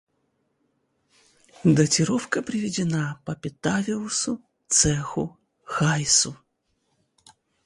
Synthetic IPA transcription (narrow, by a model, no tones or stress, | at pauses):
d̪ətʲɪɾofkəpɾʲɪvʲɪdʲɪnapəpʲɪt̪avʲɪlˠʊsʊ | t̪sɛxʊ | xajsʊ